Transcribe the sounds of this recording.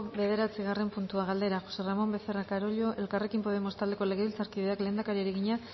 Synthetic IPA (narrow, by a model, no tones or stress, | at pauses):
be̞ðe̞ɾat͡siɣ̞are̞mpunt̪uaɣald̪e̞ɾaxo̞se̞ramo̞mbe̞ferakaɾo̞ʎo̞ʔe̞lkare̞kimpo̞ð̞e̞mo̞st̪ald̪e̞ko̞le̞ɣeilt͡saɾkið̞e̞akle̞ːnd̪akaɾieɾeɣiɲa